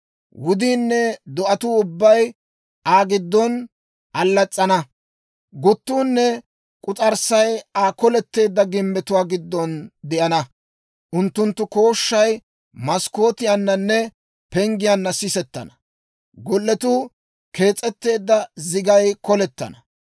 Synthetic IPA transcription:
wʊd̪iːnːɛd̪ɔʔɐt̪uːʊbːɐj | aːɡɪd̪ːɔn | ʔɐlːɐt͡sʼːɐnɐ | ɡʊt̪ːuːnːɛ | kʼʊt͡sʼɐɾsɐjaːkɔlɛt̪ːe̞ːd̪ːɐɡɪmːɛt̪ʊwaːɡɪd̪ːɔnd̪ɛʔɐnɐ | ʔʊnt̪ːʊnt̪ːʊko̞ːʃːɐj | mɐsko̞ːt̪ɪjanːɐnːɛ | pɛŋɡɪjanːɐsɪsɛt̪ːɐ̰nɐ | ɡɔlːɛt̪uː | ke̞ːt͡sʼːɛt̪ːe̞ːd̪ːɐzɪɡɐjkɔlɛt̪ːɐ̰nɐ

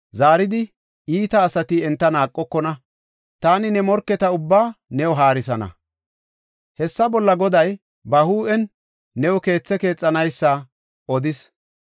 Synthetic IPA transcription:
zaːɾɪd̪ɪ | iːt̪ɐːsɐt̪ɪɛnt̪ːɐnaːkʼːɔkːɔnɐ | t̪aːnɪnɛmɔɾkːɛt̪ɐʊbːaːnɛwɔɦaːɾɪsɐnɐ̰ | hɛsːɐbɔlːɐɡɔd̪ɐj | bɐhuːʔɛnː | ɛwɔke̞ːt͡sːɛke̞ːt͡sʼːɐnɐjsːɐ | ʔɔd̪ɪs

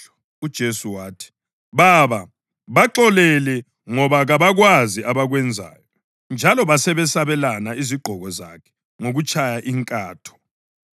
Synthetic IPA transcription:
ud̥ʒ̥ʱesuwaːtʰi̥ | βaβa | βaǁɔlɛlɛ | ŋɔβaɣaβaɣwaziʔaβaɣwɛnd͡zʱa̰ːjɔ | nd͡ʒʱalɔβasɛβɛsaβɛlanaiziɡ͡ǃʱɔɣɔza̰kʰɛ̥ | ŋoɣut͡ʃʰʼajaʔiŋkʼaːtʰɔ̥

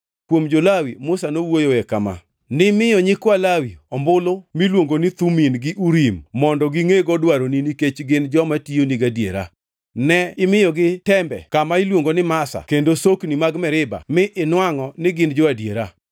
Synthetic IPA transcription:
kwomd͡ʒolawḭmʊsanowojoekama̰ | nɪmɪjɔɲɪkwalawiɔmbʊlomilwoŋɡonɪt̪uminɡɪʔuɾimːɔndɔɡɪŋeɡɔdwaɾoniniket͡ʃɡɪnd͡ʒɔmationiɡadjeɾa̰ | nɛɪmɪjɔɡɪtɛmbɛ̰kamaɪlwoŋɡonɪmasa̰kendosoknimaɡmɛɾɪba̰mɪʔɪnwaŋɔnɪɡɪnd͡ʒɔadjeɾa

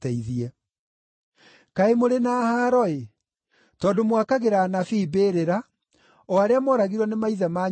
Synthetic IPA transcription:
tɛiðiɛ | kaemoɾenahaɾɔe | tɔːndomwakaɣeɾanafiːbeːɾeɾa | ɔaɾeamɔːɾaɣiɾwɔnemaiðamaː

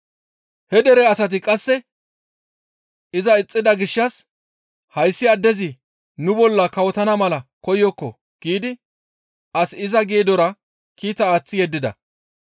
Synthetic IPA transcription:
hɛd̪ɛɾɛɐsɐt̪̬ɪkʼɐsːɛ | ɪzɐɪt͡sʼːɪd̪ɐɡɪʃːɐs | hɐjsːɪɐd̪ːɛzɪ | nʊbɔlːɐkɐwɔt̪ɐnɐmɐlɐkɔjɔkːɔ | ɡ̥iːd̪ɪ | ʔɐsɪzɐɡeːd̪ɔɾɐ | kiːt̪ɐaːt͡sːɪjɛd̪ːɪd̪ɐ̰

